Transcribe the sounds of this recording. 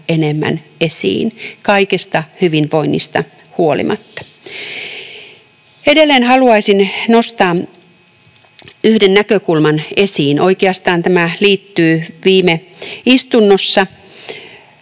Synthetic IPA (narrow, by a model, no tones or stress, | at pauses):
enemːæ̰nesḭːnkɑikest̪ɑhyʋinʋoinːist̪ɑ | huolḭmʔɑ̰t̪ːɑ̥ | edelːeːnhɑluɑisinnost̪ɑː | yhdenːækøkulmɑnesiːnoikeɑst̪ɑːnt̪æmæliːt̪ːyːʋiːme | ist̪unːosːɑ